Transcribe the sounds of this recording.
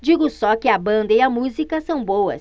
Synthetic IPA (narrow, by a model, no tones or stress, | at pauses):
d͡ʒiɡʊsɔkɪɐbɐ̃nd̪ɐɪɐmuzikɐsɐ̃w̃bowɐ̰s